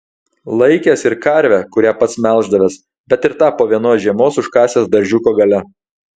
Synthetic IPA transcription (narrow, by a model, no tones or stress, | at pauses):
lˠɐɪkʲeːsɪɾkɐɾʲʋʲækʊɾʲæːpɐt̪smʲɛlˠˑʒd̪ɐʋʲeːs | bʲɛt̪ɪɾt̪ɑːpoːʋʲiɛnoːsʒʲiɛmoːsʊʃkɑːsʲeːsd̪ɐɾʲʒʲʊkoːɡɐlʲɛ